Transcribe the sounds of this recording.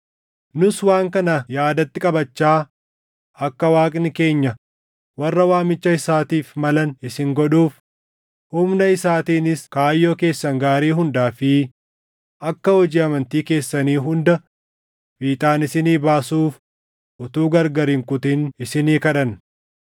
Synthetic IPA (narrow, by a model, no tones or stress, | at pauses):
nʊswaːŋkɐnɐjaːd̪ɐt̪ːɪkʼɐbɐt͡ʃːaː | ʔɐkːɐwaːkʼnɪke̞ːɲːɐ | wɐrːɐwaːmɪt͡ʃːɐɪsaːt̪iːfmɐlɐnɪsɪŋɡɔᶑuːf | hʊmnɐɪsaːt̪iːnɪskaːjːo̞ːke̞ːsːɐŋɡaːɾiːɦʊnd̪aːfɪ | ʔɐkːɐhɔd͡ʒiːɐmɐnt̪iːke̞ːsːɐniːɦʊnd̪ɐ | biːt̪ʼaːnɪsɪniːbaːsuːf | ʔʊt̪uːɡɐɾɡɐɾɪŋkʊt̪ɪnɪsɪniːkɐᶑɐn